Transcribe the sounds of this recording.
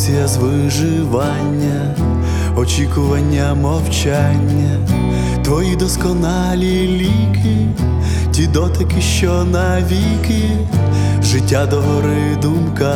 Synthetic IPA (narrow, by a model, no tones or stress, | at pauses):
sʲijɐzʋɪ | ʒɪ | ʋɑnʲːɐ | ɔt͡ʃʲikʊʋɐnʲːɐmɔwt͡ʃanʲːɐ | t̪ʋɔjid̪ɔskɔnɑ | lʲi | lʲi | kɪ | tʲid̪ɔt̪ɪkɪʃt͡ʃɔnɐ | ʋʲi | kɪ | ʒɪtʲːad̪ɔɦɔɾɪ | d̪umkɐ